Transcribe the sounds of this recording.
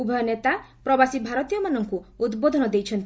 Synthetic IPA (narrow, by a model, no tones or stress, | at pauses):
ubʱɔjɔnet̪apɾɔbasibʱaɾɔt̪ijɔmanɔŋkuud̪bod̪ʱɔnɔd̪ejt͡ʃʰɔnt̪